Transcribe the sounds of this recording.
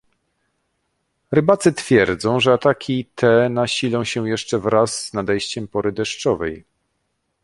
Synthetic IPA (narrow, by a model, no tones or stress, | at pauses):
ɾɘbat̪sɘt̪fʲjɛɾd̪zɔ̃w̃ʐɛat̪akʲit̪ʰɛnaɕilɔ̃w̃ɕɛ̃jɛʂt͡ʂɛvɾazːnad̪ɛjɕt͡ɕɛmpɔɾɘd̪ɛʂt͡ʂɔvɛj